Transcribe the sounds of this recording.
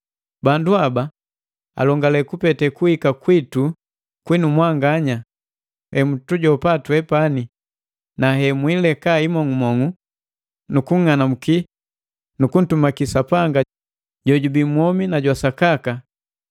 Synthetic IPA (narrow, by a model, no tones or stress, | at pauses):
banduaba | a̰lɔŋɡalɛkupɛtɛkuhikakwitu | kwinumwaŋɡaɲa | hɛmutuɟɔpatuɛpani | naɦɛmwilɛkaimɔŋumɔŋu | nukuŋŋanam̩ki | nukun̩tumakisapaŋɡa | ɟɔɟubimwɔminaɟwasakaka